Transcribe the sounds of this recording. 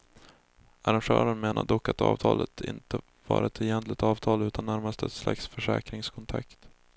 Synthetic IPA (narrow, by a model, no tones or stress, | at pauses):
aɾanɧœːɾənmeːnʔaɖ̪ɔkːat̪ʰɑ̰ːvt̪ʰɑːlət̪ʰɪnt̪ə | vɑːɾaɛt̪ʰɛjɛnt̪lɪt̪ɑːvt̪ʰɑːlʉ̟ːt̪anːæɾmast̪əɛt̪sla̰ksfœʂɛːkɾɪŋskʰɔnt̪ʰakt̪